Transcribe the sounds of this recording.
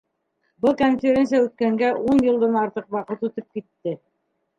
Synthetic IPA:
bɤlˠkonfʲeɾʲens̬ijæʉt̪̚kæŋɡæʔunjɤ̆lˠd̪ɑnɑɾt̪ɤqwɑqɤt̪ut̪ɤp̚kit̪ːɘ

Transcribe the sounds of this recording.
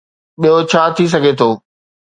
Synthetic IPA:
ɓijot͡ɕʰaːt̪ʰis̬ɐɡʱet̪ʰoː

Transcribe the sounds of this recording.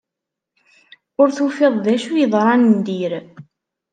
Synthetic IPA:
ʊɾθufeðˤðæʃujəðˤɾˤɑnənd̪iɾ

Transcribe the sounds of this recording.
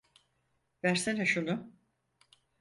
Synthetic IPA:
væɾsenɛʃunʊ

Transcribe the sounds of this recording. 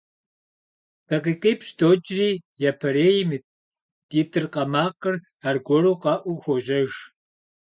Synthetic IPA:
tɐqiːqiːpɕdot͡ʃʼriːjapʰɐɾeːjm | d̥iːtʰʼɨrqɐmaːqɨr | arɡʷɔɾuːqɑːʔʷuxʷɔʒɐʒ

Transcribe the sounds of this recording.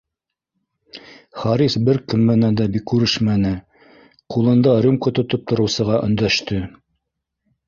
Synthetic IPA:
χɑɾisbɘɾkɵmːɘnænd̪æbikːʉɾɘʃmænɘ | qulˠɤ̆nd̪ɑɾumkot̪ŏt̪op̚t̪ŏɾɤ̆wsɤ̆ʁɑʔɵ̰̆nd̪æʃt̪ɘ

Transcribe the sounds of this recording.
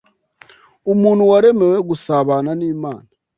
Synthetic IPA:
umuːn̤huwaɾe̞me̞weɡusaβaːnaniːmaːna

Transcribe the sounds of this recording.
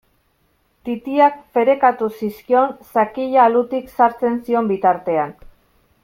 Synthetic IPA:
t̪it̪iakfe̞ɾe̞kat̪usiskio̞nsakiʎaːlut̪iksaɾt͡se̞nsio̞mbit̪aɾt̪e̞an

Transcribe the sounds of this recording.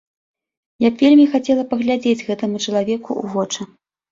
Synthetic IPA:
jabvʲelʲmʲixat͡sʲɛlˠɐpɐɣlʲad͡zʲed͡zʲɣɛt̪ɐmut͡ʂɐlˠavʲɛkṵṵvɔt͡ʂɐ

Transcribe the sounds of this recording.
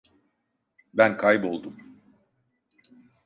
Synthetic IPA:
bænkʰajbo̞lˠd̪um

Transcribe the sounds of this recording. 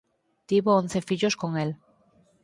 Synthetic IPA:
t̪iβoon̟θe̞fiʎoskoŋel

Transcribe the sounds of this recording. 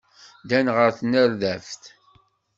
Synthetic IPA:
d̪ænʁəɾθnəɾðæfθ

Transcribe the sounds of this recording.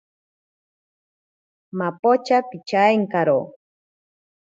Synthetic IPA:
mapot͡ʃapit͡ʃaeŋkaɾo

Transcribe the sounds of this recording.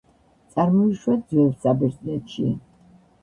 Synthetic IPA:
t̪sʼaɾmɔiʃwɛd̪zvɛlsabɛɾznɛt̪ʃḭ

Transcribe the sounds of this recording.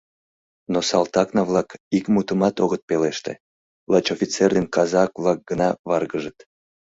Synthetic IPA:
nosɑlt̪ɑknɑβlɑkikmut̪əmɑt̪oɣət̪̚peleʃt̪ḛ | lɑt͡ɕofʲit͡serd̪enkɑzɑkvlɑk̚ɡ̥ənɑβɑrɣəʒət̪

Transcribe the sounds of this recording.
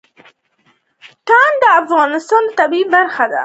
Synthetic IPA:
t̪ɑnd̪əafɣɑnɪst̪ɑnət̪abibaɾxad̪a̰

